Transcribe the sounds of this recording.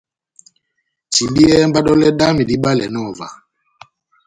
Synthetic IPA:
t͡ʃi˨bi˦ɛ˦mba˦ɗɔ˦lɛ˦ɗa˦mi˨di˦ɓa˦lɛ˨nɔ˦˨va̰˨

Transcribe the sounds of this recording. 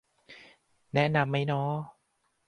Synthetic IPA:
nɛ˦˥ʔna˧mːa˦˥˩jnɔ˦˥

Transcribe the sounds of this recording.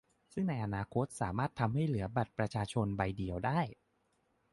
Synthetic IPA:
sɯ˥˩ŋna˧jʔa˧naː˧kʰo˦˥t̪̚saː˩˦maː˥˩t̪ʰːa˧mha˥˩jlɯ˩˦ɐba˨˩t̪̚pɾa˧t͡ɕʰaː˧t͡ɕʰo˧nba˧jdi˧əwdaː˥˩j

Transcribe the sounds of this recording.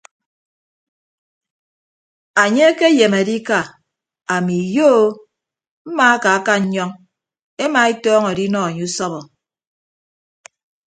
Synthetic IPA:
a˨ɲe˦e˦ke˦je˨me˨di˦ka˦˨ | a˨mi˨jo˦ | m̩˦ma˨a˦ka˨a˦ka˦ɲ̩˦ɲɔ˦ŋ | e˦ma˨e˦tɔː˦ŋɔ˨di˦nɔ˦˨a˨ɲu˦u˦sɔ˦βɔ˨

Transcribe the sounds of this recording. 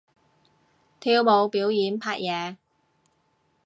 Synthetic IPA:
t̪ʰiː˧wmo˨˧wpiː˨˥wjiː˨˥npʰaː˧˥t̚jɛː˨˧

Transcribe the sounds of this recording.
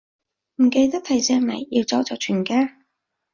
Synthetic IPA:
m̩˨˩ke˧jt̪ɐ˥t̪ʰɐ˨˩jsɛː˧ŋlɐ˨˩jːi˧wt͡sɔ˨˥wt͡sɔː˨˩t͡ʃʰyː˨˩nkaː˥

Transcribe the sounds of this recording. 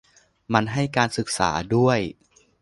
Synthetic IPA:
ma˧nɦa˥˩jkaː˧nsɯ˨˩k̚sa̰ː˩˦du˥˩əj

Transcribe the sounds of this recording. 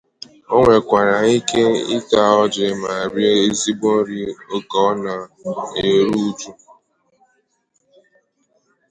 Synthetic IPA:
o˦ŋʷe˨kʷa˨ɾa˨i˦ke˦ḭ˦ta˨ɔ˦d͡ʒɪ˨˦ma˨a˨bje˦e˦zi˦bo˦n̩˦ɾi˦o˦kɔ˦na˨e˨ɾu˦u˦tu˦

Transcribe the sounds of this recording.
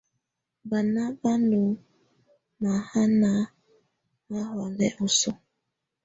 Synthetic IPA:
ba˨na˦ba˦nu˨ | ma˨ha˦na˨˦ | ma˦ɦɔ˨lɛ˦ʔʊ˨sɔ˦

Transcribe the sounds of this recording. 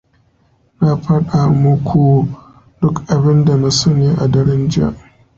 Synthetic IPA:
na˦ɸɐ˦ɗa˨mʊ˦kʷʰu˨ | d̥ʊ˦kʔa˨bɪ˦nda˨na˦sɐ˦neː˨ʔa˨dɐ˦ɽɪ˦nd͡ʒɪ˦ja̰˨ʔ

